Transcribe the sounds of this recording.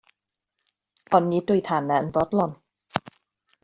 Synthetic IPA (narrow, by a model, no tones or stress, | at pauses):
ʔɔnːiːd̪ujt̪ʰaːnːand̪ɔt̪̚lɔn